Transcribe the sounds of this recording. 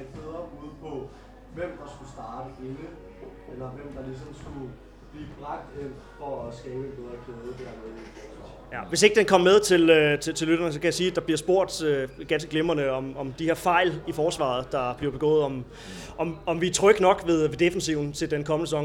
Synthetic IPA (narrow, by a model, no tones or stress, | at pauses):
ed̥̚b̥eðˠʁɐb̥uð̩ˠpʰɒ̽ | ʋem̰d̥ɑ̈sɡ̥usd̥ɑ̈ːd̥əe̝nə | elɐʋem̰d̥ɑ̈lis̬ɒmsɡ̥u | b̥liːb̥ʁɑɡ̥̚d̥en̰ | fɒæsɡ̥ɛːb̥əenb̥eðˠʁɐkʰeːðˠəd̥æɐ̰meðˠi̥ | jæʋe̝s̬e̝ɡ̥d̥enkʰɒ̽m̰meðˠt͡sʰe̝løt͡sʰe̝t͡sʰelyɾ̥ɐnəs̬ɒ̽kæjɑsiːæd̥ɑ̈b̥liɐ̰sb̥o̝ɐ̰d̥øɡ̥æns̬ɡ̥əɡ̥lemɐnəɒ̽mɒ̽md̥ihe̝ɐfɑ̈ɪ̰lifɒːsʋɑ̰̈ð̞̩ˠd̥ɑ̈b̥liɐb̥e̝ɡ̥ɔ̰̽ːð̩ˠɒ̽m | ʔɒ̽mɒ̽mʋit͡sʰʁœɡ̥nɒ̽ɡ̥ʋe̝ð̞ˠʋe̝d̥e̝fen̩siʊ̰n̩t͡sʰe̝ld̥enkʰɒ̽mənəsəsɒ̽ŋ